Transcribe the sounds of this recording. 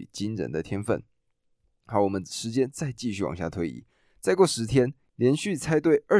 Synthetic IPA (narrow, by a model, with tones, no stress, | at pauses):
t͡ɕi˥nɻə̰˨˩nd̪ə˨t̪ʰjɛ˥nfə̰˥˩n | xa˧˥wɔ˨˩mə˦nʂɻ̩˧˥t͡ɕjɛ˥nt͡sa˥˧ɪt͡ɕi˥˧ɕy˥˩w̰ŋɕja̰˥˩t̪ʰwe˧˥ɪḭ˨˩˦ | t͡sa˥˧ɪkwɔ˥˩ʂɻ̩˧˥t̪ʰjɛ˥n | ljɛ˧˥nɕy˥˨˩t͡sʰa˥ɪt̪̬we˥˩ɪʔə˞˥˩